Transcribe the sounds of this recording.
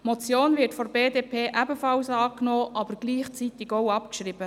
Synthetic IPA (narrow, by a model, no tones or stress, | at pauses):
mɔt͡sjoːnvɪɾtfɔbeːdeːpʰeːʔæbəfɑlsɑːknoːʔɑbəɾɡ̥liːχt͡sit̪ɪɡowɑpkʃriːbə